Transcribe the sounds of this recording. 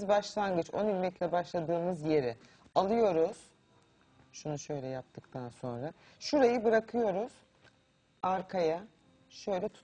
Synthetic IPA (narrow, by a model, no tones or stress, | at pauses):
zbaʃlˠanɡɯt͡ʃonymmɛclʲɛbaʃlˠad̪ɯːmɯzje̞ɾɪ | alˠɯjo̞ɾuz̥ | ʃunuʃø̞jlʲɛjap̚t̪ʰɯkt̪ʰanso̞nɾa | ʃuɾajɯbɯɾakʰɯjo̞ɾuz̥ | aɾkʰaja | ʃø̞jlʲɛt̪ʰu̥